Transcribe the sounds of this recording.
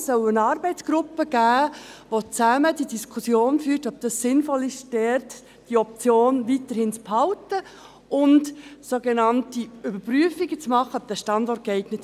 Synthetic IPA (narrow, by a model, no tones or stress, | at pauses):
sœlənɑːɾbɛɪt͡sɡ̥ɾʊpːəɡ̥æːʋot͡sæmədidiskʰʊsjoːnfyːɾtɔb̚d̥ɑsːɪnfɔlɪʃdɛrt | d̥iɔp̚t͡sjoːnʋiːtəɾhɪnt͡sphɑltə | ʔʊntsoɡenɑntiʏbəɾpryəfiɡət͡smɑχːəɔp̚d̥æʃtɑndɔrt̚kɛɪɡ̥nət